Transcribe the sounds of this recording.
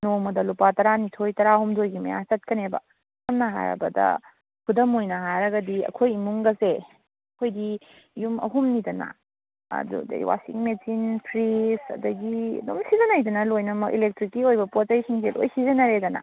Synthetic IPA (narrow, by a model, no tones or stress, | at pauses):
nomɐdɐlupatɐɾanitʰojtɐɾaɐhumdojɡimɐ̰ja̰t͡ʃɐt̚kɐnebɐ̰ | ɐmnɐɦa̰ɾɐ̰bɐ̰dɐ̰ | kʰudɐmojnɐɦaɾɐɡɐdiɐ̰kʰojimuŋɡɐse | ɐkʰojdi | jumɐ̰ɦumnidɐnɐ̰ | ɐ̰dṵdɐ̰ḭwa̰sḭŋmesinpʰɾisɐ̰dɐɡḭdomsizɐnajdɐnɐlojnɐmɐkḭlek̚tɾikːiojbɐpot͡ʃɐjsiŋselo̰jsizɐnɐɾedɐnɐ̰